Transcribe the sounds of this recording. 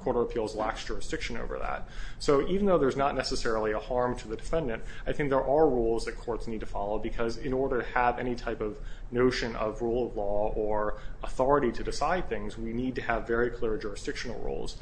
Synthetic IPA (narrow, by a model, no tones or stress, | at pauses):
kʰɔɹɾə˞əpʰilˠzlæksd̥ʒ̥ʊɹɨsd̥ɪkʃɨ̃no̰ʊvə̰˞ðæ̰t̚soʊʔivn̩ðoʊðə˞znətⁿnɛsɨsɛɹl̩ˠiəhɑɹmtʰɨðɨdɨfɛ̃ndɨ̃ntaɪθɪ̃ŋk̚ðə˞ʔə˞ɹulˠzðɨt̚kʰɔɹtsnid̚tʰɨfɑlˠoʊbɨkʰʌzɪ̃nɔɹɾə˞tɨəvɛñitʰaɪpʌvnoʊʃɨ̃nʌ̰vɹulˠʌvlɔə˞əθɔɹɨɾiɾɨdɨsaɪd̪̚θɪ̃ŋzwinid̚tɨːvɛɹikʰl̥ɪɹd͡ʒʊɹɨsd̥ɪkʃɨn̩l̩ˠɹṵlˠz̥